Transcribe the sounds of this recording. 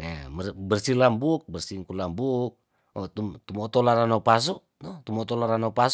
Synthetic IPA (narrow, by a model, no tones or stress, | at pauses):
emərbərsilambuk̚bərsiŋkulambuk̚ | ɔt̪umt̪umɔt̪ɔlaɾanopas̬u | nɔt̪umɔt̪ɔlaɾanopas